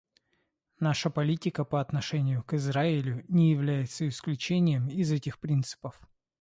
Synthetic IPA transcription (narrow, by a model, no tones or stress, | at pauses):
naʂəpɐlʲitʲɪkəpəɐt̪nɐʂɛnʲɪjʊkɨzɾaɪlʲʊnʲɪjɪvlʲæjɪt̪səɪsklʲʉt͡ɕenʲɪjəmɪzɛtʲɪxpɾʲint̪sɨ̥pəf